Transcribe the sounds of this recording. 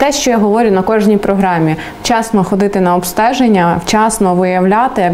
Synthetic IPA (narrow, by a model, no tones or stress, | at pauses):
t̪ɛʃt͡ʃɔjaɦɔʋɔɾʲʊnɐkɔʒnʲijpɾɔɦɾɑmʲi | t͡ʃɑsnɔxɔd̪ɪt̪ɪnɐɔpst̪ɛʒenʲːɐwt͡ʃɑsnɔʋɪjɐwlʲat̪ɪ